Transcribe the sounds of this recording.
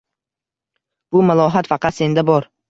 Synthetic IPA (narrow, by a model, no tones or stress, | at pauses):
b̥ʊmalˠɒɦat̪fɑqɑt̪se̞nd̪abɒɾ